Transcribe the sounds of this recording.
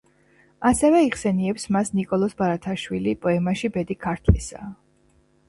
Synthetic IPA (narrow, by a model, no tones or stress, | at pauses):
asɛvɛiʁsɛniɛpsmasnikʼɔlˠɔsbaɾat̪ʰaʃwilipʼɔɛmaʃibɛd̪ikʰaɾt̪ʰlḭsa̰ː